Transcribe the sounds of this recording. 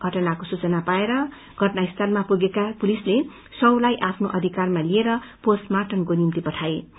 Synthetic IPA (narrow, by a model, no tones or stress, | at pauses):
ɡʱʌʈʌnakosut͡sʌnapaeɾʌ | ɡʱʌʈnaist̪ʰanmapuɡekapulisle | sʌwlajʔapʰnoʔʌd̪ʱikarmalieɾʌposmaʈʌnkonimt̪ipʌʈʰae